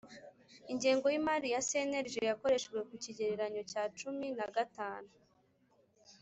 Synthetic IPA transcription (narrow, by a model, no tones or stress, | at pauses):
iɲɟeːŋɡo̞jimaɾijase̞ne̞ɾʒejako̞ɾe̞ʃɡwe̞kuciɟeɾeɾaɲo̞caːt͡ʃuminaɡataːnu